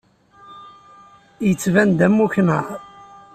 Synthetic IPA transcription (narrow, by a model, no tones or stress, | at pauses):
jət͡sːvænd̪æmːuçnə̰ʁ